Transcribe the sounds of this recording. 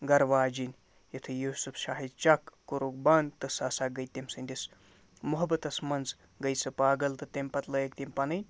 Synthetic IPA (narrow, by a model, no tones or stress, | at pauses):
ɡɐɾʋaːd͡ʒinʲ | jɐt̪ʰɨjuːsufʰʃaːɦid̪̚t͡ʃɐkːuɾuk̚bɐnt̪ɐsɐsaɡɐjt̪ːimsɨnʲd̪ʲis | muɦɐbɐt̪ɐsmɐnz | ɡɐjsɨpaːɡɐlt̪ɨt̪emʲpɐt̪lɐjek̚t̪impɐnɨnʲ